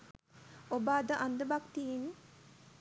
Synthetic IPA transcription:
obaːd̪əʔand̪əbakt̪iin

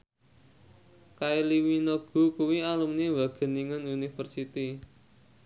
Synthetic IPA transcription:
kailiwinoɡ̥ṳkuwialumnewaɡ̥ə̤niŋənunifərsit̪i

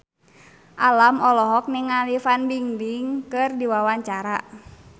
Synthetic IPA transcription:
ʔalamɔlɔɦɔk̚niŋalifanbiŋdiŋkɨrdiwawaɲt͡ʃaɾa

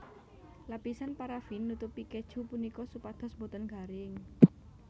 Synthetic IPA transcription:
lapisanpaɾafinːut̪upiked̥ʒ̥ṳpunikɔsupad̪̥ɔ̤sbɔ̤t̪ənɡa̤ɾɪŋ

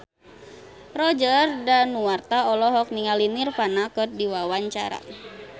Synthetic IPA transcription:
rɔd͡ʒərdanːuwart̪aɔlɔɦɔk̚niŋalinirfanakɨrdiwawaɲt͡ʃa̰ɾa̰

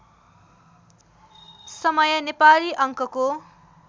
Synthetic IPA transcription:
sʌmʌjʌnepaliʔʌŋkʌko

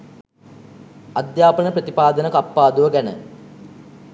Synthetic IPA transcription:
ɐd̪jaːpənəprɐt̪ipaːd̪ənəkapːaːd̪uʋəɡænə̰

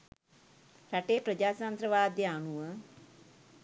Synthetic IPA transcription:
ɾaʈeːpɾəd͡ʒaːt̪ant̪ɾəʋaːd̪jəanuʋə

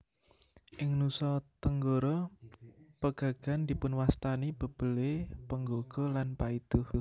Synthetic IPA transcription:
ʔɪŋnusɔt̪əŋɡoɾɔ | pəɡ̥a̤ɡ̥a̤nd̪̥i̤pʊnwast̪anib̥ə̤b̥ə̤lepəŋɡoɡ̥ɔ̤lanpaid̪̥ʊh

